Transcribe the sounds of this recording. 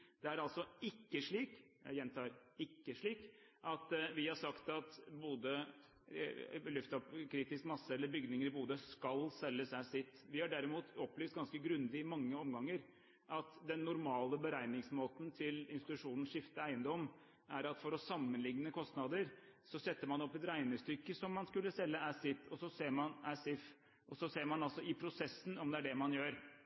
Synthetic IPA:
d̪̥ɛæɾɑlsɔɪkːəʂɭiːk | jɛnt̪ʰɑːɾɪkːəʂɭiːkʔɑt̪ʋɪhɑʂɑkt̪ɑt̪buːd̪ə | lʉft̪ɔpkʰɾiːt̪ɪskmɑsːəɛlːəɾbʏɡnɪŋəɾɪbuːd̪əskɑlsɛlːəsæɪsɪt̪ːʋɪhɑɖæɾɪmuːt̪ɔpːlɛft̪̚ɡɑnskəɡɾʉnd̪ɪɪmɑŋːəɔmɡɑŋːəɾ | ʔɑt̪d̪ɛnːʊɾmɑːləbəɾæɪnɪŋsmoːt̪nt̪ʰɪlɪnst̪ɪt̪ʉʂuːnn̩ʂɪft̪əæɪənd̪ɔm | æɾɑt̪fɔɾɔsɑmːənlɪŋːnəkʰɔst̪nɑd̪əɾsɔsɛt̪ːəɾmɑnɔpːɛt̪ɾæɪnəst̪ʏkːəsɔmːɑnskʉlːəsɛlːəæsɪt̪ʰːɔsɔseːɾmɑnæsɪf | ʔɔsɔseːɾmɑnɑlsɔʔɪpʰɾʊsɛsːn̩ɔmd̪ɛæɖɛmɑnjøːɾ

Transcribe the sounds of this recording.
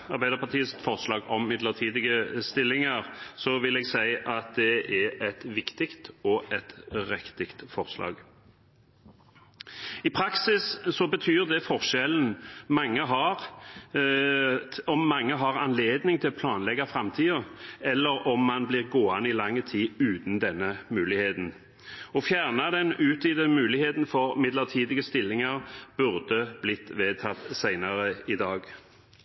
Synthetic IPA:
ɑʁbæɪd̪əʁpʰɑt̪ʰiːəsfɔʁslɑːɡɔmmɪd̪ləʁt̪ʰiːd̪ɪɡəst̪ɪlːɪŋɑʁsɔʋɪlɛːɡsæɪʔɑt̪̚d̪ɛʔɛɛt̪ʋɪkt̪ɪkt̪ɔʔɛt̪ɾɛkt̪ɪkt̪fɔʁslɑ̰ːɡ | ɪpʰɾɑksɪssɔbət̪ʰyːʁd̪ɛfɔʁʃɛln̩mɑŋːəɦɑʁ | ɔmːɑŋːəɦɑʁɑnleːd̪nɪŋt̪ʰɪlpʰlɑːnlɛɡɑfʁɑmt̪ʰiːəɛlːəʁɔmːɑnblɪʁɡoːɑnɪlɑŋːət̪ʰiːʉːt̪n̩d̪ɛnːəmʉːlɪheːt̪n̩ | ɔfjæːʁnɑd̪ɛnʉːt̪ʰiːd̪ɛmʉːlɪheːt̪n̩fɔʁmɪd̪ləʁt̪ʰiːd̪ɪɡəst̪ɪlːɪŋɑʁb̥ʉʁd̪əblɪt̪ːʋeːt̪ʰɑt̪sæɪnɑʁəɪd̪ɑːɡ

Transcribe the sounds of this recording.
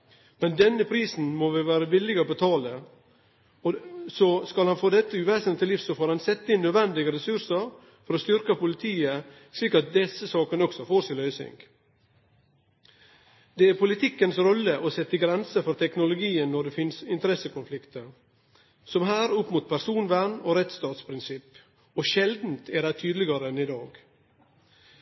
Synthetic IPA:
mɛnd̪ɛnːəpʰɾiːsn̩moʋɪʋæːɾəʋɪlɪɡɔːbət̪ʰɑːlə | sɔskɑlhɑnfoːd̪ɛt̪ːəʉʋeːsənt̪ʰɪliːfsɔfoːɾhɑnsɛt̪ːəɪnːœːd̪ʋɛnd̪ɪɡəɾɛsʉɾsəɾ | fɔɾɔst̪ʏɾkəpʊlɪt̪ʰiːə | sliːkɑt̪̚d̪ɛsəsɑːkənɔksɔfoːɾsɪlœʏsɪ̰ŋɡ | d̪ɛæɾpʊlɪt̪ʰɪkːənsɾɔlːəʔosɛt̪ːəɡɾɛnsəfɔɾt̪ʰɛknʊlʊɡiːənːɔɖɛfɪnsɪnt̪əɾɛsəkʊnflɪkt̪əɾ | sɔmɦæːɾʊpːmuːt̪̚pʰæɾsuːnʋæɳoːɾɛt̪st̪ɑːt̪spʰɾɪnsɪp | ɔʃɛld̪n̩t̪ʰæɖæɪt̪ʰyːd̪lɪɡɑɾənɪd̪ɑːɡ

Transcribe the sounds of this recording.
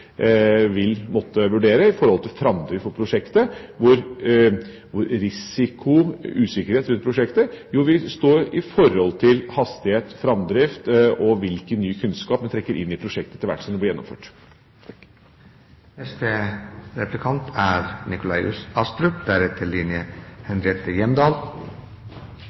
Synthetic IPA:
ʋɪlmɔt̪ːəʋʉɖeːɾəɪfɔɾhɔlt̪ʰɪlfɾɑmd̪ɾɪfɔpʰɾʊʂɛkt̪əʋʊɾ | ʋʊɾɾɪsɪkʰʊʉːsɪkəɾheːt̪ɾʉnt̪pʰɾʊʂɛkt̪əjuːʋɪst̪oːɾɪfɔɾhɔlt̪ʰɪlhɑst̪ɪheːt̪fɾɑmd̪ɾɪft̪ɔʋɪlkənːyːkʰʉnskɑːpmɛnt̪ʰɾɛkːəɾʔɪ̰nːɪpʰɾʊʂɛk̚t̪ət̪ʰɪlʋæ̰ʈsɔmd̪ɛblɪjɛnːɔ̰mføːʈ | nɛst̪əɾɛplɪkʰɑnt̪ʰæːɾnɪkʊlɑɪʉ̰sɑst̪ɾʉpd̪æɾɛt̪ʰːəlɪnjəhɛnɾɪɛːt̪əjɛmd̪ɑːl

